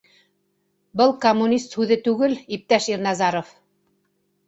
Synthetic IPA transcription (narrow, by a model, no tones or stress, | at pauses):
bɤlˠkomːunʲist̪hʉðɘt̪ʉɡɘlip̚t̪æʃiɾnɑzɑɾŏf